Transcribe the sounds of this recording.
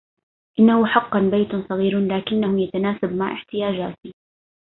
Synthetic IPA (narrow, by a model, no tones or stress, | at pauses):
ʔɪnːahʊħɑqːɑnbajt̪sˤɑɣiːɾlaːkɪnːahʊjat̪anaːsabmaʕʔɪħt̪ɪjaːd͡ʒaːt̪i